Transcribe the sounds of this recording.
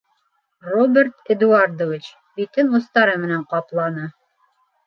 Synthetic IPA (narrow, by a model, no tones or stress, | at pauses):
robʲert̪ĕd̪uard̪ovit͡ɕ | bit̪ɘnust̪ɑɾɤmɘ̆næɴqɑplˠɑnɤ